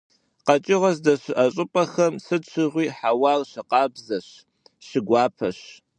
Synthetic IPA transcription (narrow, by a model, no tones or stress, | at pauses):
qɐt͡ʃʼɪʁɐzdɐɕɪʔɐɕʼɪpʼɐxɐmsɨt͡ʃʰɪʁʷiːħawɑːrɕɪqɑːbzɐɕ | ɕɪɡʷɑːpʰɐɕ